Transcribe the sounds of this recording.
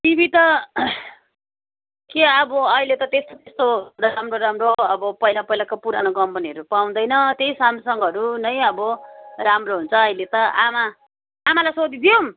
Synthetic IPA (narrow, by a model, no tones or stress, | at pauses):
t̪ibit̪ʌ | keʌbʌʌilet̪ʌt̪est̪ot̪est̪oramroɾamroʌbʌpʌɦilapʌilakopuɾa̰noɡʌmpʌniɦʌɾupaw̃d̪ʌjnʌt̪jeisamsʌŋɡʌɾunʌjʌbʌramroɦunt͡sʰʌːilet̪ʌʔa̰maː | malajsod̪id̪ijom